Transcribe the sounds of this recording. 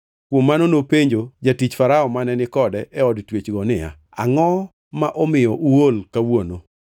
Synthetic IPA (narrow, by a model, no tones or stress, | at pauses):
kwomːanonopeɲd͡ʒod͡ʒatit͡ʃfaɾaɔmanɛnɪkɔdɛʔɛɔdtwet͡ʃɡɔnɪja̰ | aŋɔ | maʔɔmɪjɔʔuolkawono